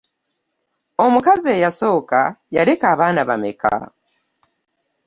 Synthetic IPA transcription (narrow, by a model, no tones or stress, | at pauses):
o̞mukazie̞ːjaso̞ːkajale̞kaːβaːnaβa̰me̞̰ka̰